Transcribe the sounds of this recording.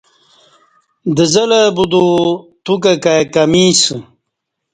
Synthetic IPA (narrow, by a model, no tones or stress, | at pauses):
d̪əzɐlɐbud̪ot̪uk̬akajkamis